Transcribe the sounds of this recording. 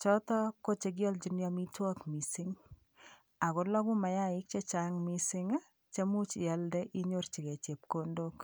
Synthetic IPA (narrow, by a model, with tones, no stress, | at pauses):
t͡ʃɔ˦tɔ˦ko˦t͡ʃe˧ɡ̬jɔ˦ld͡ʒi˦nja˦mi˦twɔ˦kmi˨si˦ŋ | a˨ko˨lɔ˦ɡu˦ma˨ja˦ɪ˦k̚t͡ʃe˦t͡ʃa˦ŋmi˦sɪ˦ŋ˦ | t͡ʃe˦mu˦t͡ʃi˨ja˨ldɛ˦ʔi˦ɲo˦rt͡ʃi˨ke˨t͡ʃe˨p̚ko˦ndok